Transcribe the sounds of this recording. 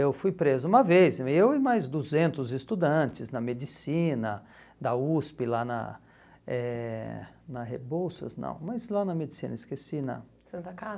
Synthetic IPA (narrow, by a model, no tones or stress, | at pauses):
ewfujpɾezɐũmɐvejzɪewɪmajzd̪uzẽnt̪ʊzɪst̪ud̪ɐ̃t͡ʃɪznɐmed͡ʒisĩnɐ | d̪ɐuspɪlanɐ̰ | ɛ | nɐhḛbowsɐ̰znɐ̰̃w̃mɐzlanɐmed͡ʒisĩnɐiskesinɐ̰ | sɐ̃nt̪ɐka